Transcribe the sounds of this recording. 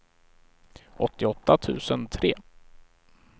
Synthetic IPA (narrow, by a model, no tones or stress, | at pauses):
ʔɔt̪ːɪɔt̪ːat̪ʰʉ̟̰ːsənt̪ʰɾeː